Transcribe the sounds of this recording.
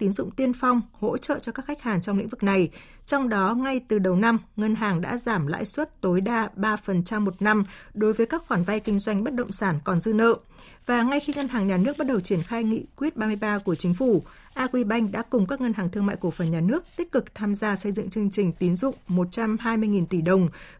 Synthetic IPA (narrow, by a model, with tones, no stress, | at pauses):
t̪i˨˦nzʊ̰˧˨ŋ͡mt̪i˧ənfa˧wŋ͡mho̰˧˥t͡ɕə̰ː˧˨t͡ɕɔ˧kaː˦˥k̚xa˦˥k̟̚haː˨˩ŋt͡ɕɔ˧wŋ͡mlḭ˧˥ŋ̟vɨ˨˩k̚na˨˩j | t͡ɕɔ˧wŋ͡mɗɔ˨˦ŋa˧jt̪ɨ˨˩ɗə˨˩wna˧mŋə˧nɦaː˨˩ŋɗa̰ː˧˥zaː˧˩mla̰ː˧˥jswə˦˥t̚t̪o˨˦jɗaː˧ɓaː˧fə˨˩nt͡ɕa˧mːo˨˩t̚na˧mɗo˨˦jvəː˨˦jkaː˦˥k̚xwaː˧˩nva˧jkï˧ŋ̟zwa˧jŋ̟ɓə˦˥t̚ɗə̰˧˨wŋ͡msaː˧˩nkɔ˨˩nzɨ˧nə̰˧˨ʔ | vaː˨˩ŋa˧jxi˧ŋə˧nɦaː˨˩ŋɲaː˨˩nɨ˦˥ək̚ɓa˦˥t̚ɗə˨˩wt͡ɕi˧˩ənxaː˧jŋḭ˧˨kwi˦˥ət̚ɓaː˧mɨ˧əjɓaː˧ku˧˩ət͡ɕï˨˦ŋ̟fu˧˩ | ʔaː˧kwi˧ɓa˧jŋ̟ɗa̰ː˧˥kʊ˨˩ŋ͡mkaː˦˥k̚ŋə˧nɦaː˨˩ŋt̪ɨ˧əŋma̰ː˧˨jku˧˩fə˨˩nɲaː˨˩nɨ˦˥ək̚t̪i˦˥k̟̚kɨ˨˩k̚t̪ʰaː˧mzaː˧sə˧jzɨ̰˧˨ŋt͡ɕɨ˧əŋt͡ɕï˨˩ŋ̟t̪i˨˦nzʊ̰˧˨ŋ͡mmo˨˩t̚t͡ɕa˧mɦaː˧jmɨ˧əjŋi˨˩nt̪i˧˩ɗə˨˩wŋ͡m